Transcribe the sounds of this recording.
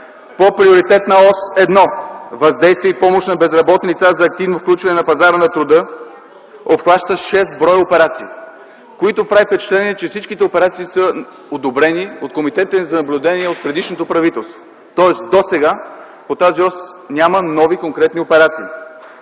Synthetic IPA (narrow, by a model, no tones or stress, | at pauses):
popɾioɾit̪ɛt̪nɐɔsɛd̪nɔvɐzd̪ɛjst̪viəipɔmoʃnɐbɛzɾɐbɔt̪nilit̪sazɐːk̚t̪ivnofklʲut͡ʃvɐnɛnɐpɐzaɾənɐt̪ɾʊd̪ɤ | opxlˠaʃt̪əʃɛst̪bɾɔjopɛɾat̪siː | koit̪opɾavifpɛt͡ʃɛ̥t̪lɛniɛt͡ʃɛfsit͡ʃkit̪ɛopɛɾat̪siːsə | od̪obɾɛniot̪̚komit̪ɛt̪əzɐnɐblʲʊd̪ɛniɛot̪̚pɾɛd̪iʃnot̪opɾɐvit̪ɛlˠst̪vo̥ | t̪ɔɛsd̪osɛɡa | pot̪aziɔs | nʲamənɔvikoŋkɾɛt̪niopɛɾat̪siː